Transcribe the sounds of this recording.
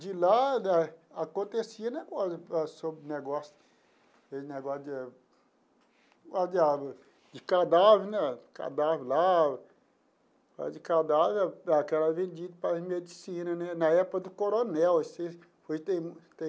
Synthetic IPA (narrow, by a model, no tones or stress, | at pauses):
d͡ʒilanɛakõnt̪esiɐnɛkazpasobneɡɔsʊ̥ | eneɡɔsd͡ʒ | kad͡ʒa | d͡ʒɪkad̪avɪɾnɛka̰d̪avɾla | ka̰d͡ʒikad̪avaakɛlɐvẽnd͡ʒid̪upamed͡ʒisĩnɐnɛnaɛpkɐd̪ʊkoɾonɛwese | foʒt̪ẽt̪ẽ